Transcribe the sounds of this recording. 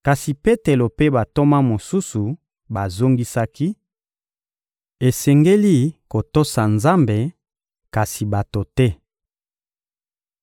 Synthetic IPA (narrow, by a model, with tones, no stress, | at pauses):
ka˨si˨pe˦te˨lo˨pe˦ba˨to˦ma˦mo˨su˦su˨ | ba˨zo˦ŋɡi˦sa˦ki˦ | e˨sɛ˨ŋɡe˦li˦ko˨to˦sa˨nza˦mbe˨ | ka˨si˨ba˨to˨tɛ˦